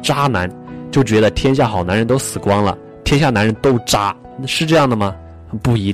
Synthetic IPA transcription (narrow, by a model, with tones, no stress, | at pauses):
ʈ͡ʂa˥na˧˥n | t͡ɕjo˥˩ʊt͡ɕɥɛ˧˥d̪ə˧t̪ʰjɛ˥nɕ̬ja˥˩xɑ˨˩ʊna˧˥nɻə˧˥nt̪o˥ʊsɹ̩˨˩kwɑ˥ŋlə̰˨ | t̪ʰjɛ˥nɕja˥˩na˧˥ɻə˧˥nt̪o˥ʊʈ͡ʂa˥ | ʂɻ̩˥˧ʈ͡ʂɤ˥˧jɑ˥˩ŋd̪ə˩mɐ˩ | xpu˥˩i˧˥